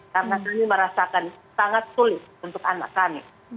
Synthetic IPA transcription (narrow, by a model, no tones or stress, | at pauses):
kaɾənakamiməɾasakansaŋat̪̚sulɪt̪̚unt̪ʊkana̰kːami